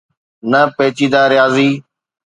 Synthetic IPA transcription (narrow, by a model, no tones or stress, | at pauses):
nəpeːt͡ʃiːd̪aːɾjaːziː